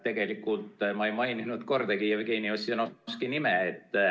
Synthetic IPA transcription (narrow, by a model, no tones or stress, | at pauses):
t̪e̞ɡ̥e̞likːˑult̪mɑejmɑjninud̪̥ko̞rd̪̥ɑɡijɑvɡe̞ːniosienoskinimɛet̪ː